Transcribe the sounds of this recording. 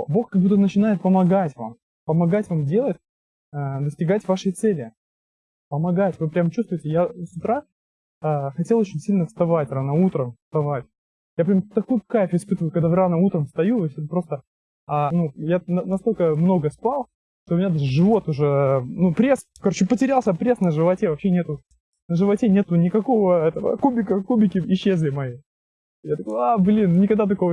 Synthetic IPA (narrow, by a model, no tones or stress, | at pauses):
bo̞xkɐɡbut̪ːəənət͡ɕɪnajɪt̪̚pəmɐɡatʲva̰m | pəmɐɡatʲvamdʲe̞lˠətʲ | əd̪əsʲtʲɪɡatʲvaʂɨjt̪sɛlʲɪ | pəmɐɡatʲvɨpɾʲamt͡ɕust̪vʊɪtʲɪjasʊt̪ɾa | əxɐtʲelˠot͡ɕɪnʲsʲilʲnəfst̪ɐvatʲranəut̪ɾəmst̪ɐvatʲ | jap̬ɾʲamt̪ɐkujʊkafʲɪspɨt̪əvəjʊkɐɡd̪avɨɾanəut̪ɾəmfst̪ɐjujosʲɛt̪pɾo̞st̪ə | anujannɐst̪o̞lʲkəmno̞ɡəspalˠ | ʂt̪oʊmʲɪnʲad̪aʐɨʐɨvo̞t̪ʊʐɛnupɾʲes | kɐɾo̞t͡ɕɪpətʲɪɾʲalˠsʲəpɾʲe̞snəʐɨvɐtʲe̞vɐpɕːenʲet̪ʊ | nəʐɨvɐtʲenʲe̞t̪ʊnʲɪkɐko̞vəɛt̪əvə̰kubʲɪkəkubʲɪkʲɪɪɕːezʲlʲɪmɐji | jat̪ɐkojablʲinnʲɪkɐɡd̪at̪ɐko̞və